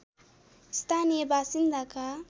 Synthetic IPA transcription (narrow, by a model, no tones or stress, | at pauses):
st̪ʰanijebasind̪aka